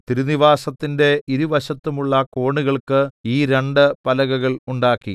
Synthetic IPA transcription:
t̪iɾuniʋaːsɐt̪ːinde̞iɾuʋɐɕɐt̪ːumuɭːɐko̞ːɳuɣɐɭkɨiːɾe̞ɳɖɨpɐlɐɣɐɣɐɭuɳɖaːkːḭ

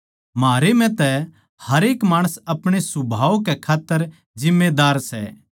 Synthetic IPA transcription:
mɦaːɾemɛ̃t̪ɛ | hɐɾeːkmaːɽ̃əsɐpɽ̃esʊbʱaːokɛkʰaːt̪ːəɾ | d͡ʒɪmːed̪aːɾsɛ̰

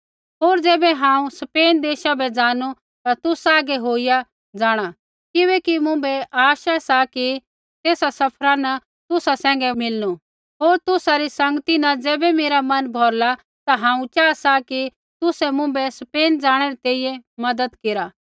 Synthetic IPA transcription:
ɦoːɾd͡zɛːbɛɦãːũsɐpeːnd̪eːʃabɛd͡zaːnu | t̪at̪ʊsaːɡɛɦoːija | d͡zaːɽ̃a | kɪβɛːkimʊ̃bɛʔaːʃasaki | t̪eːsasɐpʰɾanɐ | t̪ʊsasɛ̃ːŋ̆ɡɛmɪlnu | ɦoːɾt̪ʊsaɾisɐ̃ŋɡət̪inɐ̃d͡zɛːbɛmeːɾamɐnbʱɔːɾla | t̪aɦãːũt͡ʃaːsaki | t̪ʊsɛmʊ̃bɛsɐpeːnd͡zaːɽ̃ɛɾɛt̪eːijɛmɐd̪əd̪keɾa

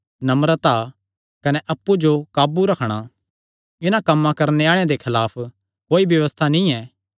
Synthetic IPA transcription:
nɐmɾət̪a | kɐnɛʔɐpːud͡ʒokaːbuɾɐkʰɽ̃a | ɪnãkɐmːãkɐɾneaːɭ̃ẽd̪ekʰɪlaːpʰ | koːibjɐʋəst̪ʰanĩɛː

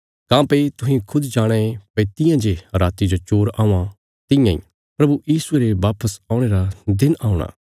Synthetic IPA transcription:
kãːpet̪ʊɦĩkʰʊd̪d͡ʒaːɽ̃ẽẽpɐit̪ɪ̃jãd͡ʒeɾaːt̪id͡ʒot͡ʃoːɾaːũã | t̪ɪ̃jãḭ̃ | pɾɐbujiːsueːɾeʋaːpəsaːʊɽ̃eːɾad̪ɪnaːʊ̃ɽ̃a̰ː

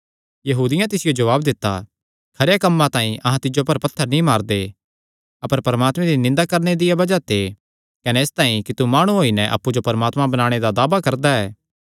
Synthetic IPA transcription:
jɐɦuːd̪ɪjãt̪ɪsɪjod͡ʒɐʋaːbd̪ɪt̪ːa̰ | kʰɐɾjakɐmːãt̪ãːĩʔɐɦãt̪ɪd͡ʒopɐɾpɐt̪ʰːəɾnĩmaːɾd̪e | ɐpəɾpɐɾəmaːt̪mɛ̃ɾinɪ̃nd̪akɐɾned̪ɪjabɐd͡ʒat̪ʰe | kɐneːst̪ãːĩkit̪umaːɽ̃ũɦoːinɛʔɐ̰pːud͡ʒopɐɾəmaːt̪mãbɐnaːɽ̃ed̪ad̪aːbakɐɾd̪aɛː

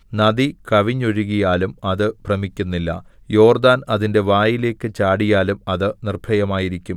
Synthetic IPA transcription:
nɐd̪ikɐʋiɲːoɻuɣijaːlumɐðɨprɐmikʲːunːilːɐ̰ | jo̞ːrd̪aːnɐðinde̞ʋaːjile̞ːkːɨt͡ɕaːɽijaːlumɐðɨnirbʰʱɐjɐmaːjiɾikʲːum

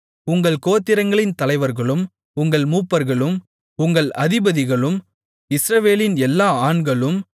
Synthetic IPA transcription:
ʊŋɡɐɭkoːt̪ːɪɾɐŋɡɐɭɪnt̪ɐlɐɪʋɐɾɣɐɭɯm | ʊŋɡɐɭmuːpːɐɾɣɐɭɯm | ʊŋɡɐɭʔɐðɪbɐðɪɣɐɭɯm | ɪsɾɐʋeːlɪnɛlːaːaːɳɡɐɭɯm

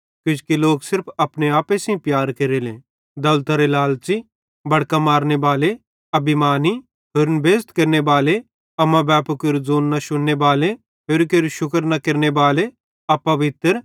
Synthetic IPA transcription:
kʊd͡ʒkiloːksɪɾpʰɐpneaːpesĩpjaːɾkeɾelẽː | d̪ɐlt̪ɐɾelaːlt͡ʃi | bɐɽkamaːɾnebaːle | ɐbimaːni | ɦʊɾnbʱeːst̪kɐɾnebaːle | ɐmãbɛːpukɪɾd͡zoːnːɐʃʊnːebaːle | pɪɾkeɾʃʊkəɾnɐkɪɾnebaːle | ɐpɐʋɪt̪ɾ

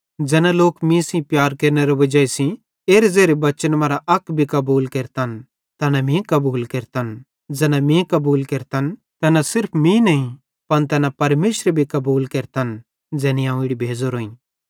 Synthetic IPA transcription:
d͡zɛːnãloːkmĩsĩpjaːɾkeːɾneɾɐʋɐd͡ʒaesĩ | eːɾed͡zeːɾebɐt͡ʃənmaːɾaʔɐkbʱikɐbuːlkeːɾt̪an | t̪ɐːnamĩkɐbuːlkeːɾt̪an | d͡zɛːnãmĩkɐbuːlkeːɾt̪an | t̪ɛːnãsɪɾpʰmĩnɐĩ | pɐnt̪̬ɛːnapɐɾmeːʃɾbʱikɐbuːlkeːɾt̪an | d͡zɛːniãːũɪɽibʱeːd͡zoɾoːĩ

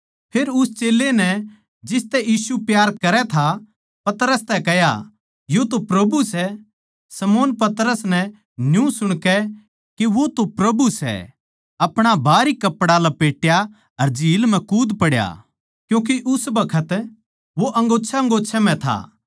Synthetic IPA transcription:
pʰeːɾʊst͡ʃeːlːenɛ | d͡ʒɪst̪ɛjiːsupjaːɾkɐɾɛt̪ʰa | pɐt̪ɾəst̪ɛkɛja̰ | jot̪opɾɐbusɛ | sɐmoːnpɐt̪ɾəsnɛ | njũsʊɽ̃kɛ | keʋot̪opɾɐbusɛ̰ | ɐpɽ̃abʱaːɾikɐpːɽalapeːʈja | ɐɾd͡ʒiːlmɛ̃kuːd̪pɐɽja̰ | kjũːk̬iʔʊsbɐkʰət̪ | ʋoʔɐ̃ŋɡoːtːʃʰaɐ̃ŋɡoːtːʃʰɛm̤ɛ̃t̪ʰa̰

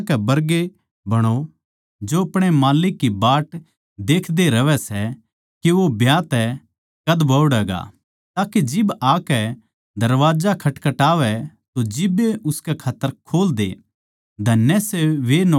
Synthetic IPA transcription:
kɛbɐɾɡe | bɐɽ̃o | d͡ʒoɐpɽ̃emaːlɪkːibaːʈ | d̪eːkʰd̪eɾɐʋɛsɛ | kiʋobʱjaːt̪ɛ | kɐd̪bɐʊɽɛːɡa̰ː | t̪aːked͡ʒɪbaːkɛ | d̪ɐɾʋaːd͡ʒakʰɐʈkɐʈaːʋɛ | t̪od͡ʒɪbːeʊskɛkʰaːt̪ːəɾkʰoːld̪ḛ | d̪ʱɐnːɛseʋen

